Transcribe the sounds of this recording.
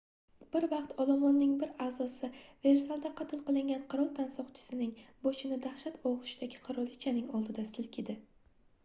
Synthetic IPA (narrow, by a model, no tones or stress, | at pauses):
b̥ɪɾvɑqt̪ʰɒlˠɒmɒnːɪŋbɪɾazɒsɪve̞ɾsalˠd̪aqʰɑt̪ʰɪlˠqɨlˠɪŋɡʲanqʰɨɾɒlˠt̪ʰansɒqt͡ʃʰɪ̥sɪnɪŋboʃɪnɪd̪aχʃat̪ʰɒʁʊʃd̪aɡʲɪqʰɨɾɒlˠɪt͡ʃʰanɪŋɒlˠd̪ɪd̪asɪlkʲʰɪd̪ɪ